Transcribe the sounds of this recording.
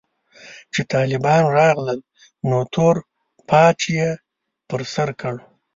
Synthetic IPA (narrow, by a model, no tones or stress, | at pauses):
t͡ʃet̪ɑːlɪbɑnɾɑɣləl | not̪ʰoɾ | pʰɑt͡ʃje | pəɾsaɾkəɽ